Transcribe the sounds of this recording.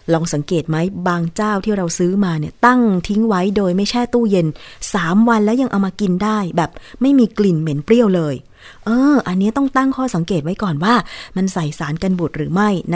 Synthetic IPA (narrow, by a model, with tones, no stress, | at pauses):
lɔː˧ŋsa˩˦ŋkeː˨˩t̪̚ma˦˥jbaː˧ŋt͡ɕaː˥˩wt̪ʰiː˥˩ɾa˧wsɯː˦˥maː˧ni˥˩ɐt̪a˥˩ŋt̪ʰi˦˥ŋwa˦˥jdoː˧jma˥˩jt͡ɕʰaː˥˩t̪uː˥˩je˧nsaː˩˦mwa˧nlɛː˦˥wja˧ŋʔa˧wmaː˧ki˧ndaː˥˩jbɛː˨˩p̚ma˥˩jmiː˧kli˨˩nme˩˦npɾi˥˩əwlɤː˧j | ʔɤː˧ʔa˧nːi˦˥t̪ɔ˥˩ŋt̪a˥˩ŋkʰɔː˥˩sa˨˩˦ŋkeː˨˩t̪̚wa˦˥jkɔː˨˩nwaː˥˩ma˧nsa˨˩jsaː˩˦nka˧nbu˨˩t̪̚ɾɯː˩˦ma˥˩jn˦˥